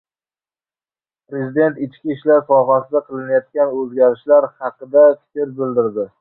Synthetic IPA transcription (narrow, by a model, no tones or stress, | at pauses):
pɾe̞zɪd̪e̞nt̪ɪt͡ʃkʲiːʃlaɾsɒɦasɪd̪aqʰɨlˠɪnajɒt̪kʲanɵzɡʲaɾɪʃlaɾhɑqɨd̪afɪ̥t̪ʰɪɾbɪld̪ɪɾd̪ɪ